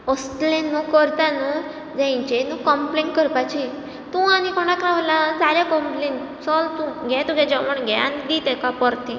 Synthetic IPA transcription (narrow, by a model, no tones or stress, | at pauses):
ɔst̪lẽnũkɔɾt̪anu | d͡zãt͡ɕenukɔmpleɳʈ̚kəɾpat͡ɕi | t̪ũanikʰɔɳ̃akɾaʋlad͡zaljakɔmpleɳʈ | sɔlt̪ũɡʱɛt̪ũɡɛd͡ʑəməɳɡʱɛa̰nid̪it̪ɛkapəɾt̪ĩ